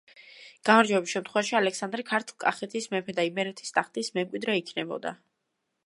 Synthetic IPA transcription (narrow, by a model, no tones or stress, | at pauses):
ɡ̥amaɾd͡ʒwɛbisʃɛmt̪χwɛvaʃialɛksand̪ɾikʰaɾt̪ʰulˠkʼaχɛt̪ʰismɛpʰɛd̪aimɛɾɛt̪ʰi̥st̪ʼaχt̪ʼismɛmkʼwid̪ɾɛikʰnɛbɔ̰d̪a̰